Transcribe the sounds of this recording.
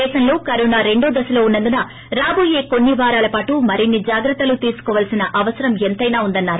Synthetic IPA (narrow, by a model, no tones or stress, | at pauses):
ɛːʃɐnlo̞ːkɐɾɔːnaːɾe̞ɳɖoːd̪ɐsɐlo̞ːunːɐnd̪unɐ | ɾaːboːjeːko̞nːiʋaːɾaːlɐpaːʈumɐɾinːid͡ʒaːɡɾɐt̪ːɐlut̪iːsu̥kɔːʋɐlsinɐʔɐʋɐsɐɾɐment̪ɐjnaːund̪ɐnːaːɾu